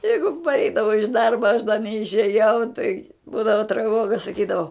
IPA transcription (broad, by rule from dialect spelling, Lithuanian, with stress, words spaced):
ˈjɛɪɡʊ pɐrʲˈɛɪdɐʋoː ɪʃ ˈdɐrbɐ ɐʃ dɐ nʲɛɪʃʲeːˈjɛʊ tɐɪ ˈbuːdɐʋoː trɐˈʋoːɡɐ sɐˈkʲiːdɐʋoː